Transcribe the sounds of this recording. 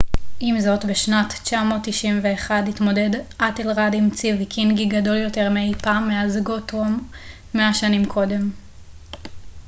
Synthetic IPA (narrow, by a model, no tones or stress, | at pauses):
imzo̞tbeʃnatt͡ʃamo̞tːiʃimve̞ːχadhitmo̞de̞dʔatelʁadimt͡sivikʰinɡiɡado̞ljo̞te̞ʁmejpamːeazɡotomː | eaʃanimkʰo̞de̞m